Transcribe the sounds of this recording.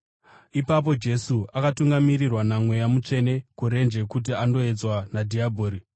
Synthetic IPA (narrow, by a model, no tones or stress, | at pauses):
ipap̬o̞d͡ʒe̞suakatuŋɡamirirwanamwe̞jamut͡ʂe̞ne̞kuɾe̞nd͡ʒe̞kut̬iando̞ed͡zwanadʱiabʱoːɾi